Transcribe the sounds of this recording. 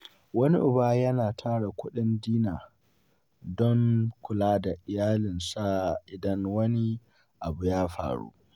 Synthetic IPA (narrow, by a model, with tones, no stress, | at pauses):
wɐ˦ni˦ʔʊ˨baː˦jɐ˦naː˨tʰaː˦ɽa˨kʷʊ˦ɗɪ˦ndiː˦naː˨ | dɔ˦ŋkʷʊ˨laː˦da˨ʔɪ˨jaː˦lɪ˨nsa˦ʔɪ˨dɐ˦ŋwɐ˦ni˦ | ʔa˨bu˨jaː˦ɸa̰ː˨ɽṵ˦